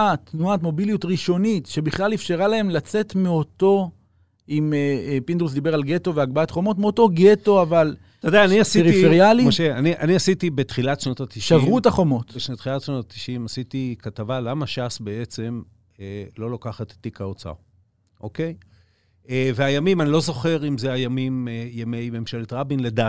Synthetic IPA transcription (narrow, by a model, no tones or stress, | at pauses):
at̪nuat̪mo̞bilijutʁiʃo̞nitʃe̞biχlalefʃeʁalae̞mlat͡se̞t̪meo̞to̞ | imepind̪ʁus̬d̪ibe̞ʁalɡeto̞veaɡbaat̪χo̞mo̞tmeoto̞ɡe̞to̞aval | ted̪eaːniasieʁifeʁjaliʃeaniʔa̰niasit̪ibet̪χilatʃnot̪at̪iʃʃavʁutaχo̞mo̞t̪beʃnot̪χilatʃnotat̪i̥ʃimasit̪ikatavalamaʃasbeet͡se̞m | elo̞lokaχat̪tːikaot͡sa̰ | ʔoke̞j | eveajamimanilo̞zo̞χe̞ʁimzeajamimejemejbemʃeletʁabinledat